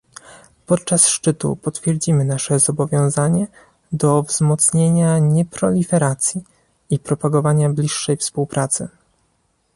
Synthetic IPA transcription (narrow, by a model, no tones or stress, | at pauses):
pɔt̪t͡ʂasʂt͡ʂɘt̪ṵpɔt̪fʲjɛɾd͡ʑimɘnaʂɛzɔbɔvʲjɔ̃w̃zaɲɛ | d̪ɔvz̥mɔt̪sɲeɲaɲɛpɾɔlʲifɛɾat̪sʲji | ipɾɔpaɡɔvaɲablʲiʂːɛjfspuwpɾat̪sɘ̰